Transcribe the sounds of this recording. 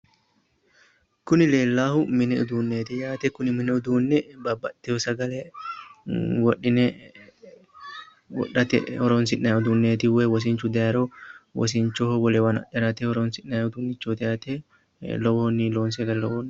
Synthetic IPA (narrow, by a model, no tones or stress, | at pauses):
kʊnɪleːlːaːhʊmɪnɛʊd̪uːnːeːt̪ɪjaːt̪ɛkʊnɪmɪnɛʊd̪uːnːɛbɐbːɐt̪ːɛhɔsɐɡɐlɛ | wɔɗːɪnɛ | wɔ̰ɗːɐt̪ɛ̰hɔɾoːns̬ɪʔnɐjʊd̪uːnːeːt̪ɪwewɔs̬ɪnt͡ʃːʊd̪ɛɐɾɔwɔ̰s̬ɪɲt͡ʃːɔhwɔlɛwɐnɐ̰ʔɛɾɐt̪ɛɔɾoːnsɪnːɐʊd̪uːnːɪt͡ʃːot̪ɛɐt̪e | lɔwonːɪloːnsɛɡɐlɛlɔwoːn